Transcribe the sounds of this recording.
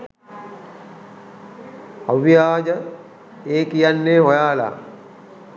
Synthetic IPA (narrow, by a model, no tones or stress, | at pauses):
ɐʋijaːd͡ʒɐ | eːkijɐnːeːɦɔjaːla̰ː